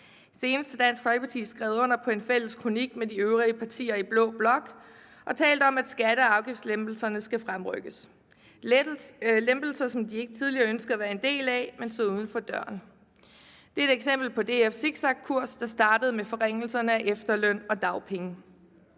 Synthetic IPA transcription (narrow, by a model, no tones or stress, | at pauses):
se̝ːnəsd̥əd̥æn̰sɡ̥hɒɪɡəpɑ̈t͡sʰḭːsɡ̥ʁɛʊɔ̽n̰ɐpʰɒ̽e̝nfel̰əskʰʁo̝niɡ̥̚mediøʊʁiəpʰɑ̈t͡sʰḭːɐib̥lɔ̰̽ːb̥lɒ̽ɡ̥ | ʔɒ̽t͡sʰɛ̰ːld̥əɒ̽mæd̥sɡ̥æɾ̥əɑ̈ʊɡ̥ifdslemb̥l̩sɐnəsɡ̥æfʁamʁœɡ̥əs | lemb̥l̩sɐsɒ̽md̥ie̝ɡ̥ət͡sʰið̞ˠliɐːønsɡ̥əðˠæʋæːɐe̝nd̥e̝̰ːlæmensɔ̽uð̞ˠn̩fɒ̽d̥ɶɐ̰n | d̥e̝æeɾ̥eɡ̥sem̰b̥l̩pʰɒ̽d̥e̝ːefsiɡ̥sɑ̈ɡ̥̚kʰuɐ̰sd̥ɑ̈sd̥ɑ̈ːd̥əð̞̩ˠmefɒ̽ʁeŋ̰l̩sɐnəæʔefd̥ɐlœn̰ɒ̽d̥ɑ̈ʊpʰeŋə